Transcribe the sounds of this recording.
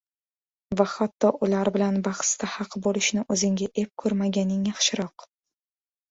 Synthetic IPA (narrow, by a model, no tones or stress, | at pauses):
vahat̪ːɒʔʊlaɾbɪlanbɑχst̪ʰahɑqʰbolɪʃnɪʔɵzɪŋɡʲaʔe̞p̚kʰɵɾmaɡʲanɪŋjɑχʃɪɾɒq